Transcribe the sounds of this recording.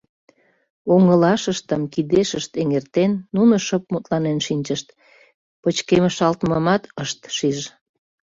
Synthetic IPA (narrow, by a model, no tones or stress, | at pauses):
oŋəlɑʃəʃt̪əmkid̪eʃəʃt̪eŋert̪enːunoʃəp̚mut̪lɑnenʃinʲt͡ɕəʃt̪ | pət͡ɕkeməʃɑlt̪məmɑt̪əʃt̪ʃiʒ